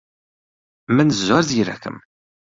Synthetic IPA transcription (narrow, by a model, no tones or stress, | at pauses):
mænəzːaɾðjɾæ̰kə̰m